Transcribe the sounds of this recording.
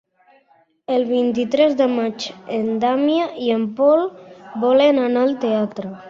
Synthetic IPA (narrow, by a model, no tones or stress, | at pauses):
əlˠβint̪̬it̪ɾɛzd̪əmat͡ʃend̪amjaʔiəmpɔlbɔlenanalˠt̪eat̪ɾə